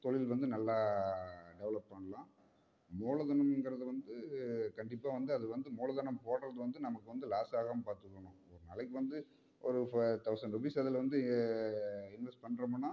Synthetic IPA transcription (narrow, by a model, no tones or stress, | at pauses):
t̪ɔɭɪlʋɐnd̪ɯnɐlːaː | ɖɛʋɐɭɐpːɐɳɐlãː | moːlɐðɐnɐmɛnɡɐɾɐðɯʋɐnd̪ɯkɐɳɖɪpːaːʋɐnd̪ɯɐðɯʋɐnd̪ɯmoːɭɐðɐɳɐmpoːɽɾɐðɯʋɐnd̪ɯnɐmɐkːɯʋɐnd̪ɯlaːsaːɣampaːɾt̪ɯkːɐɳʊ̃ | ɔɾɯnɐlɐkːɯʋɐnd̪ɯ | ɔɾɯft̪ɐʊsɐɳɖɔbiːsɐðɯlʋɐnd̪ɯ | ɪnʋɛsʈpɐɳːɾɐmɐnːaː